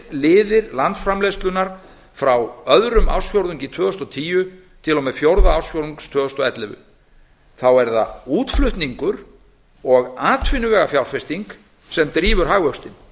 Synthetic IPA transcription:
lɪːðɪɾlant̪sfɾamlejst̪lʏnaɾ̥ | fɾawœðɾʏma̰wsfjowɾðʏŋcit̪ʰœːðʏst̪ɔt̪ʰiːjʏ | t̪ʰɪlɔmɛfjowɾðaawsfjowɾðiŋkst̪ʰvœːðʏst̪ɔɛt̪lɪvʏ̰ | θawɛɾða̰uːt̪flʏht̪niŋkʏɾ̥ | ɔɣaːt̪ʰvɪnʏvɛːɣafjawlfɛst̪iŋk | sɛmt̪ɾiːvʏɾ̥ɦaːɣœst̪ɪn

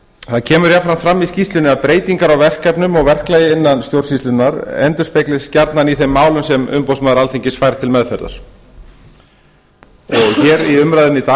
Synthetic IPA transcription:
θaðcʰɛːmʏɾjafɾamt̪fɾamːiscist̪lʏnɪaðpɾeːjt̪iŋkaɾawvɛr̥kɛpnʏmɔɣvɛr̥klajɪɪnːanst̪jowr̥sist̪ʏnːaɾɛ̰nt̪ʏɾ̥spejklɪ̥scaɾt̪naniθemːaːwlʏnsɛmʏ̰mpowsmaːðɾalθiɲcɪsfaːjɾat̪ʰɪlmɛðfɛɾða̰ɾ̥ | ɔɣçɛɾiʏmɾajðɪnːɪt̪a

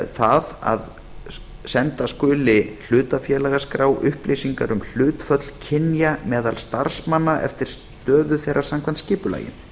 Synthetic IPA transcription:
θaða̰ð | sɛnt̪askʏːlɪl̥ʏːt̪afjɛːlɛɣaskɾaːwʔʏhplejsiŋkaɾʏml̥ʏːt̪fœt̪l̥cʰɪnjamɛːðalst̪aɾ̥smanːaʔɛ̰ft̪ɪɾ̥s | t̪œːðʏθejrʔḁsamkʰant̪scɪːpʏla̰ːjɪ̰n

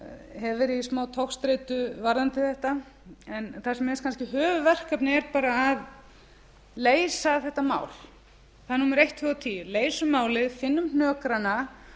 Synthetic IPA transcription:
ɦɛvɪɾismaːwt̪ʰowxst̪ɾejt̪ʏvaɾðant̪ɪθɛht̪a | ɛnθasɛmɛskʰanscɪɦœːvʏvɛr̥kapnɪɛɾpaːɾaːð | leːjsaθɛht̪ːama̰ːwl | θaðnuːmʏɾejht̪ʰːʏːɔt̪ʰiːjʏleːjsʏmaːwlɪðfɪnːʏmnœːkɾana

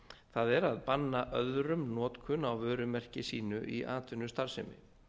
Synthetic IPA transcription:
θaðɛɾaðpanːaʔœðɾʏmnɔːt̪kʰʏnawvœːɾʏmɛr̥cɪsiːnʏʔiʔaːt̪ʏnːʏst̪aɾ̥sɪmɪ̰

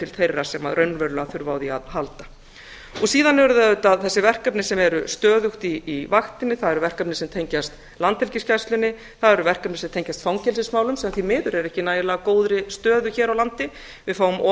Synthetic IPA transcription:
t̪ʰɪlθejrːasɛmaðɾœɥnvœɾlʏaθʏɾvawðiaðhalt̪ḁ | ɔsiːðanɛɾʏðɪaʏːt̪aðθɛsːɪvɛr̥kapnɪsɛmɛɾʏst̪œːðʏxt̪iːvaxt̪ɪnːɪθaðɛɾʏvɛr̥kapnɪsɛmt̪ʰejɲcast̪ | lant̪ːɛlcɪscast̪lʏnːɪ | θaðɛɾʏvɛr̥kapnɪsɛmt̪ʰejɲcast̪fawŋcɛlsɪsmaːwlʏmsɛmaθimɪːðʏɾɛɾɛhcɪnaːjɪlaːɣkoːwðɾɪst̪œːðʏçɛːɾawlant̪ɪ | vɪðfaːwʏmʔɔ

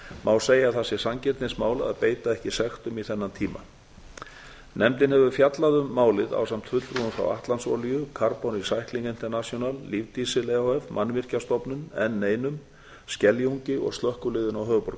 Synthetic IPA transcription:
maːwseːjaθasɪ̥samcɪɾt̪ɪnsmaːwla̰ðpeːjt̪aɛhcɪsɛxt̪ʏmiθɛnːant̪ʰiːma̰ | nʔɛmt̪ɪnhɛvʏfjat̪laðʏmːaːwlɪða̰wsam̥t̪fʏt̪lɾuʏmfɾa̰wa̰ht̪lansɔ̰ljʏkʰaɾpɔnisajhkliŋkɪnt̪ɛɾnasjɔnalːivt̪isɪlɛoɛvmanːvɪr̥cast̪ɔpnʏnɛ̰nːeːjnʏm | scɛljuɲcɪɔ̰ɣst̪lœhkʏlɪːðʏnawɦœːɣʏpɔɾkʏ̥

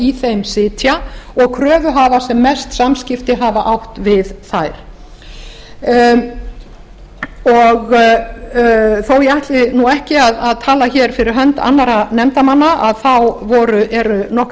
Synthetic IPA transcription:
iθejmsɪːt̪ʰjaɔɣkʰɾœːvʏɦaːvasɛmːɛst̪samscɪft̪ɪɦavaʔawht̪vɪðθajɾ̥ | ɔɣ | θowjɛaht̪lɪnuɛhcɪaðaðt̪ʰaːlaçɛɾ̥fɪɾɪɾ̥ɦœnt̪a̰nːaɾanɛmt̪amanːaʔaðθawvɔɾʏʔɛɾʏnɔhk

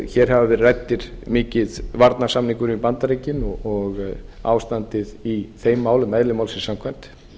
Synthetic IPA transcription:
çɛːɾ̥ɦhavavɛɾrɛjt̪ːɪɾ̥mɪːcɪðvaɾt̪nḁsamniŋkʏɾʏipant̪aɾejcɪnɔɔɣa̰ːwst̪ant̪ɪðiθejmːaːwlɪmːɛðlɪmawlsɪsamkʰvɛjm̥t̪

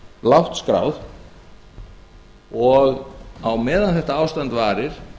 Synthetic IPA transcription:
lawht̪skɾa̰ːwð | ɔɣawmɛːðanθɛht̪aaːwst̪ant̪vaːɾɪɾ̥

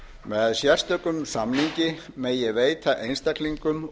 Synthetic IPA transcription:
mɛðsjɛr̥st̪œkʏmsamliɲcɪmejɛveːjt̪aʔejnst̪akliŋkʏm

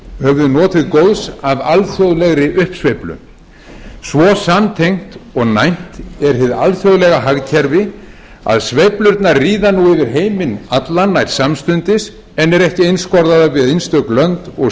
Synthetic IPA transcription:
hœvðʏnɔːt̪ɪðkowðsavalθjowðlɛɣɾɪʔʏhpsvejplʏ̰ | svɔːsamt̪ʰejŋ̥t̪ɔɣnajn̥t̪ɛɾ̥ɪðalθjowðlɛɣaɦaɣcʰɛɾvɪ | a̰ðsvejplʏɾt̪naɾriːðanuɪvɪɾɦeːjmɪnat̪lanːajt̪samst̪ʏnt̪ɪs | ɛnɛɾɛhcɪejnskɔɾðaðavɪðejnst̪œklœnt̪ɔɣ

